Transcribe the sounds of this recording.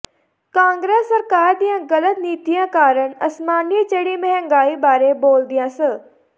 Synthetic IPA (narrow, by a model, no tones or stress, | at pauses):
kãːŋɡɾeːsːɐɾkaːɾd̪ijãɣɐlət̪niːt̪ijãkaːɾəɳɐsmaːnit͡ɕɐɽimẽɦŋɡaːibaːɾeboːld̪ijãsə